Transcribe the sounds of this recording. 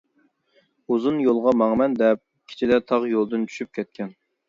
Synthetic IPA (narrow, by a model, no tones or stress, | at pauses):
uzunjolˠʁɑmɑŋmɛnd̪ɛp̚ | kʲʰɪ̥t͡ʃʰid̪ɛt̪ʰɑʁjolˠd̪ɨnt͡ʃʰy̥ʃyp̚kʲʰɛt̪̚kʲʰɛn